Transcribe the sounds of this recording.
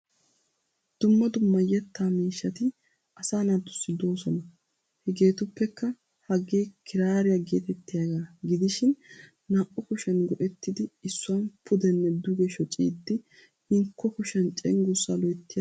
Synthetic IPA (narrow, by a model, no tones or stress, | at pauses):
d̪̥ʊmːɐd̪ʊmːɐjɛt̪ːaːmiːʃːɐt̪ɪ | ʔɐsaːnat̪ːʊ̥sːɪd̪o̞ːsɔnɐ | hɛɡe̞ːt̪ʊpːɛkːɐ | hɐɡeːkʰɪɾaːɾɪjɐɡe̞ːt̪ɛt̪ːɪjaɡaːɡɪd̪ɪʃɪn | naːʔʊkʊʃɐnɡɔʔɛt̪ːɪd̪ɪɪsːʊwɐnpʰʊd̪ɛnːɛd̪ʊɡɛʃɔt͡ʃʼḭːd̪ːɪ | ɪŋkʰːɔkʊʃɐnt͡ʃʼɛŋɡʊsːalɔjt̪ːɪja